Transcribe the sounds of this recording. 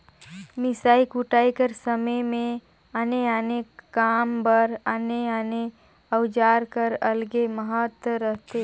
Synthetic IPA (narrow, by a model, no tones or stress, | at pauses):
mɪsaːikuʈaːikəɾsəməmẽ | əneanekaːmbəɾəneane | əwd͡ʒaːɾkəɾɐlɡeməɦət̪wəɾəɦt̪e